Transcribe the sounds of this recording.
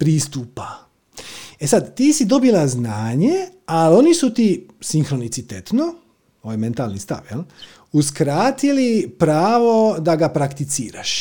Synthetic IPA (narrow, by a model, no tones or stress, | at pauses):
pɾiːst̪uːpa | e̞sad̪t̪iːsid̪o̞bilˠaznaːɲealo̞nisut̪isiŋxɾonit̪sit̪et̪no̞ | oːajme̞nt̪alˠnist̪a̰ʋjel | uskɾaːt̪ilipɾaːʋo̞d̪aɡapɾakt̪it̪siːɾa̰ʃ